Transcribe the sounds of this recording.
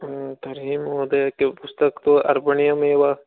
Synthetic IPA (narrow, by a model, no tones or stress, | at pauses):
t̪ɐɾɦiːmɦoːd̪ekepʊst̪əkt̪oʔɐ̰ɾbəɳijãmeːʋaː